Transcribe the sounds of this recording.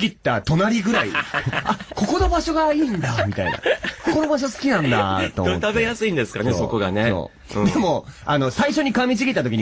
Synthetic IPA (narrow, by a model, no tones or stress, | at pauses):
ɡʲit̪ːat̪o̞naɾʲiɡɯ̟ɾaḭako̞ko̞no̞baɕo̞ɡaiːnd̪amʲit̪a̰ḭna̰koko̞no̞baɕosɨ̥kʲinãnd̪a̰t̪o̰t̪abe̞jasɨĩnd̪e̞sɨ̥kanḛsoko̞ɡane̞õ̰ː | d̪e̞mo̞ano̞saiɕo̞ɲ̟ikãmʲit͡ɕiɡʲit̪ːat̪okiɲ̟i